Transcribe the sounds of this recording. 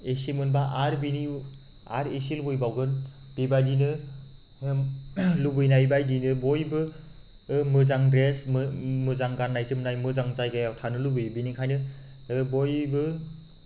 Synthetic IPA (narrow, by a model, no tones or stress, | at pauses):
esimɯnbaʔaɾbini | a̰ɾesilɡujbawɡɯn | b̥ibadinɯ | lubɯjnajbajdinɯbojbɯ | mɯzaŋdɾesmmɯzaŋɡanːajzɯmnajmɯzaŋzajɡajawtʰanɯlubɯjbinikʰajnɯ | bojbɯ